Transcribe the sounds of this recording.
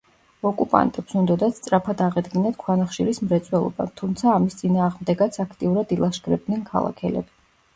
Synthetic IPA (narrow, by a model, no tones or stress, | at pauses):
ɔkʼupʼa̰nt̪ʼɛpsund̪ɔd̪at̪st̪sʼɾapʰad̪aʁɛd̪ɡinat̪kʰwanaχʃiɾismɾɛt̪sʼwɛlˠɔ̰ba̰t̪ʰumt̪sʰaːmist̪sʼinaːʁmd̪ɛɡat̪sʰakʰt̪ʼiuɾad̪ilˠaʃɡɾɛb̚d̪nɛnkʰa̰lˠa̰kʰɛlɛ̰bi